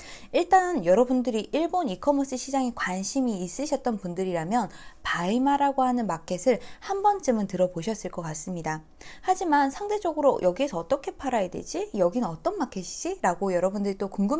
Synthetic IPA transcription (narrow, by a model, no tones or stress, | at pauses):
iɭt͈anɯnjʌɾʌbundɯɾiʔiɭbonikʰʌmʌs͈ɯɕʰid͡ʑaŋekwanɕʰimiːs͈ɯɕʰʌt̚t͈ʌnpundɯɾiɾamjʌnpaimaɾaɡohanɯnmakʰe̞sʰɯɭhambʌnt͡ɕ͈ɯmɯntɯɾʌboɕʰʌs͈ɯɭk͈ʌk͈as͈ɯmɲida | had͡ʑimansʰaŋde̞d͡ʑʌɡɯɾojʌɡiesʰʌːt͈ʌkʰe̞pʰaɾajedwe̞̰d͡ʑijʌɡinɯnʌt͈ʌnmakʰe̞ɕ͈iɾaɡojʌɾʌbundɯɾit͈okuŋɡɯ